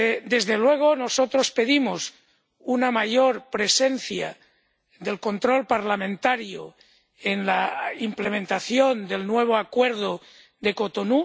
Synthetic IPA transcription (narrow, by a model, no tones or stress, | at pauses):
d̪e̞zðelwe̞ɣ̞o̞no̞sot̪ɾo̞spe̞ðimos | unamaʝoɾpɾe̞senθja̰ | ðe̞lko̞nt̪ɾo̞lpaɾlamẽnt̪aɾjo̰ | enlaimplemẽ̞nt̪aθjond̪e̞lnwe̞β̞oakweɾð̞o | ðe̞ko̞t̪onu